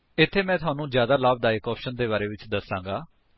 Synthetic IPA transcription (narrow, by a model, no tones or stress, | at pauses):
ɪt̪ʰːeːmɛ̃ːt̪ʊaːnũːd͡ʒjaːd̪aːlaːb̚d̪aːekɔːpʃənd̪eːbaːɾeːʋɪt͡ʃd̪əsːãːŋɡaː